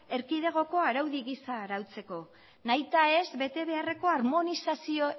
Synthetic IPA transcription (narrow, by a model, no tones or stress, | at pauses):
e̞ɾkiðe̞ɣ̞o̞ko̞aɾawðiɣisaːɾawt͡se̞ko̞ | najt̪ae̞zbe̞t̪e̞βe̞are̞ko̞aɾmo̞nisasio̞